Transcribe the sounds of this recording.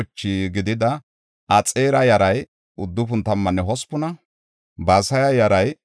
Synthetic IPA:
t͡ʃːiɡɪd̪ɪd̪ɐ | ʔɐt͡sʼeːɾɐjɐɾɐj | ʊd̪ːʊp̬ʊnt̪ɐmːɐnːɛɦɔspːʊnɐ | baːsɐjɐjɐɾɐj

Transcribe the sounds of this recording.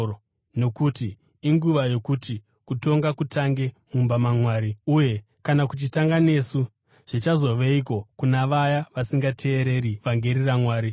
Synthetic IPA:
no̞kutiː | ŋɡuʋajo̞kuti | kuto̞ŋɡakutʰaŋɡe̞mumbamamwaːɾiuje̞ | kanakut͡ʃitaŋɡane̞ːsu | ʐ̥it͡ʃazo̞ʋeik̬o̞kunaʋajaʋasiŋɡatʰe̞ːɾe̞ɾiʋaŋɡe̞ɾiramwaːɾi

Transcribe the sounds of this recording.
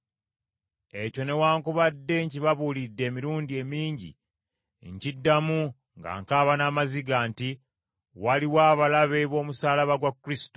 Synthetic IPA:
e̞co̞ne̞waːŋkuβadːe̞ɲciβaβuːlidːe̞ːmiɾuːndie̞miːɲɟḭ | ɲcidːamu | ŋɡa̰ŋkaːβanaːmaziɡaːnti | waliwaːβalaβe̞βo̞ːmusaːlaβaɡwakːuɾisi̥to̥

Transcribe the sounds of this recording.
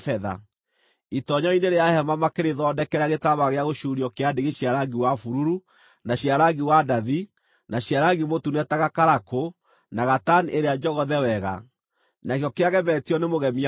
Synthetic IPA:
fɛða̰ | itɔɲɔineɾeahɛmamakeɾeðɔːdɛkɛɾaɣetaβaɣeaɣoʃuɾiɔkeadeɣeɕiaɾaɡiwafuɾuɾu | naɕjaɾaɡiwadaði | naɕjaɾaɡimotunɛtaɣakaɾako | naɣataniʔeɾeaɲd͡ʒɔɣɔðɛwɛɣa̰ | nakjɔkeaɣɛβɛtiɔnemoɣɛmi

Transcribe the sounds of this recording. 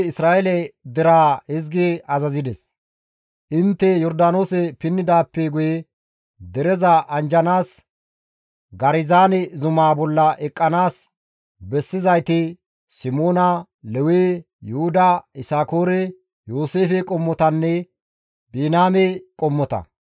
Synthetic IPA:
ɪsɾaːʔɛlɛd̪ɛɾaːɪzɡeɐzɐzɪd̪ɛs | ʔɪnt̪ːɛjɔɾd̪aːno̞ːsɛpɪnːɪd̪aːpːɛɡʊjɛ | d̪ɛɾɛzɐʔɐnd͡ʒɐnaːs | ɡɐɾɪzaːnɛzʊmaːbɔlːɐʔɛkʼːɐnaːs | bɛsːɪzɐjt̪ɪ | sɪmoːnɐ | lɛweː | jʊhʊd̪ɐɪsaːko̞ːɾɛ | jo̞ːse̞ːfɛkʼɔmːɔt̪ɐnːɛ | beːnaːmekʼɔmːɔt̪ɐ̰

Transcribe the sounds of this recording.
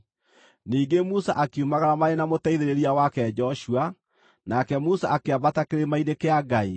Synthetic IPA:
niːŋɡemusa̰ʔakiumaɣaɾamaɾenamotɛiðeɾeɾiawakɛd͡ʒɔʃua | nakɛmusaʔakeabatakeɾemainekeaɡai

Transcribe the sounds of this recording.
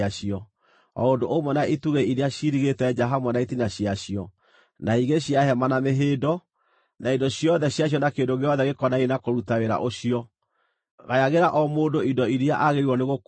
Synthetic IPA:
aʃiɔ | ɔ̰ondoʔomɔnaituɣeiɾiaɕiɾiɣetɛd͡ʒaɦamɔnaitinaɕijaɕijɔ | naiɣeɕiaɦɛmanameɦeːdɔ | naidɔɕjɔðɛɕjaɕ̬jɔnakendoɣeɔðɛɣekɔnaenakoɾutaweɾa̰ʔoɕijɔ | ɣajaɣeɾaʔɔmoːndoidɔiɾiaʔaɣeɾiwɔneɣok

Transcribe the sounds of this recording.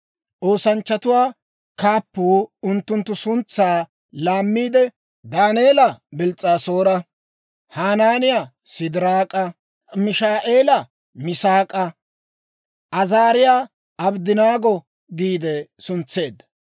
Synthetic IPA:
ʔo̞ːsɐnt͡ʃːɐt̪ʊwaː | kaːpːuːʊnt̪ːʊnt̪ːʊsʊnt͡sːaː | laːmːiːd̪ɛ | d̪aːne̞ːlɐbɪlt͡sʼːaːsoːɾɐ | haːnaːnɪja | sɪd̪ɪɾaːkʼɐ | mɪʃaːʔe̞ːlɐ | mɪsaːkʼɐ | ʔɐzaːɾɪjaː | ʔɐbd̪ɪnaːɡɔ | ɡiːd̪ɛsʊnt͡sːe̞ːd̪ːɐ̥

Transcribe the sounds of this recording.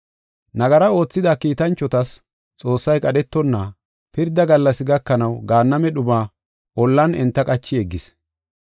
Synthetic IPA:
nɐɡɐɾɐo̞ːt͡sːɪd̪akiːt̪ɐnt͡ʃːɔt̪ɐs | t͡sʼo̞ːsːɐjkʼɐɗɛt̪ːɔnːɐ | pɪɾd̪ɐɡɐlːɐsɪɡɐkːɐnɐwɡaːnːɐmɛɗʊbaː | ʔɔlːɐnɛnt̪ːɐkʼɐt͡ʃːɪɛɡːɪs

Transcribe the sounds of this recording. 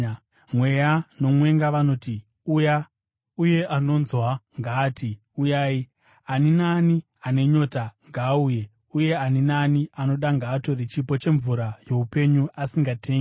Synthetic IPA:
mwe̞jano̞mwe̞ŋɡaʋano̞ːti | uja | uje̞ʔano̞nzwaŋɡaːtʰi | ujaːi | aninaːni | ane̞ɲo̞taŋɡaːuːje̞ | uje̞aninaːniano̞ɗaŋɡaːto̞rit͡ʃipo̞t͡ʃe̞ɱvuɾaje̞upe̞ɲuasiŋɡatʰeːŋɡi

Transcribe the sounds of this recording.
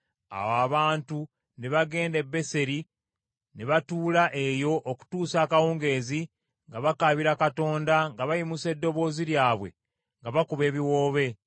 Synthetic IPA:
a̰waβaːntu | neβaɡe̞ːnde̞bːe̞se̞ɾi | neβatuːlaʔe̞jo̞ʔːku̥tuːsaːkawoːŋɡe̞ːzi | ŋɡaβakaβiɾakato̞ːndaŋɡaβajimuse̞dːo̞βo̞ːziɾjaːβwe̞̰ | ŋɡaβakuβe̞ːβiwo̞ːβe̞

